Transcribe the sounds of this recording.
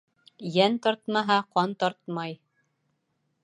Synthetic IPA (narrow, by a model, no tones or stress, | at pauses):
jænt̪ɒɾt̪mɑɦɑqɑnt̪ɒɾt̪mɑj